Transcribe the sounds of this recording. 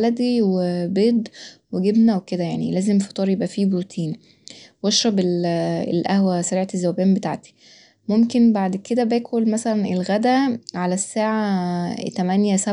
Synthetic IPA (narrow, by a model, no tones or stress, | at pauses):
læd̪iwebeːd̪weɡebnæweked̪æjaʕnḭlæːzemfɑ̥t̪ˤɑːɾˤjebʔæfiːbɾuːt̪ʰiːn | wɑʃɾˤɑbelḛlʔæhwæsæɾiːʕat̪ezːæwæbæːmbet̪a̰ʕt̪i̥ | momkenbaʕd̪ked̪æbæːkʰolmæsælænelɣæd̪æʕalæsːaːʕat̪æmænjæsæ